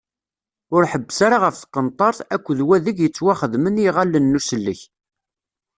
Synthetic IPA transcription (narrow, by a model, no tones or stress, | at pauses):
ʊɾħəbːəsaɾaʁəfθqːənt̪ˤɑɾˤθækʷːðwæðiɡjət͡sːwæχəðməniʁalːənːusəlːə̰ç